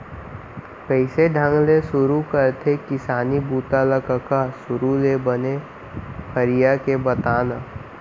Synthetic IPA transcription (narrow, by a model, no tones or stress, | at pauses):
kəɪseɖʱə̃ŋɡlesʊɾukəɾt̪ʰekɪsaːnibuːt̪aləkəkasʊɾulebəne | pʰəɾijakebɐt̪aːna